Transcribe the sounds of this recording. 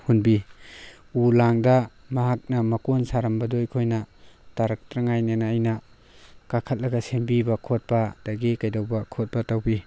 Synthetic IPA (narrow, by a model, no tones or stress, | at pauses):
hunbi | ulaŋdɐ | mɐɦak̚nɐmɐkonsaɾɐmbɐdojkʰojnɐtaɾɐk̚tɾɐŋajnanaːjnɐ | kakʰɐt̚lɐɡɐsembibɐkʰot̚pɐd̥ɐɡekajdawbɐkʰot̚pɐtawbi